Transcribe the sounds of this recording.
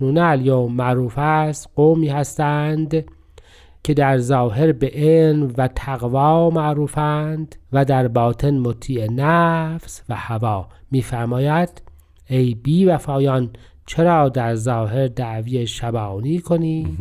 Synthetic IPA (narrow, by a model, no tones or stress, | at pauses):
uːneæljoːmmæʔɾuːfæst̪ɡoːmiːhæst̪ænd̪ | cʰe̞d̪æɾzɑːɦe̞ɾbeʔelmvæt̪ʰæɣvɑːmæʔɾuːfænd̪væd̪æɾbɑːt̪ʰe̞nmot̪ʰiːenæfsvæhævɑːmiːfæɾmɑːjæd̪̥ | ejbiːvæfɑːjɒːn | t͡ʃʰe̞ɾɑːd̪æɾzɑːɦe̞ɾd̪æʔviːeʃæbɑːniːkʰoni̥ː